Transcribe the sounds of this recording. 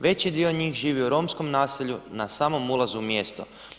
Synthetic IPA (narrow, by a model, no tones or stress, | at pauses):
ʋe̞t͡ɕid̪ioɲiːxʒiːʋiuɾo̞msko̞mnaːsiʎunasaːmo̞mulˠazumjest̪o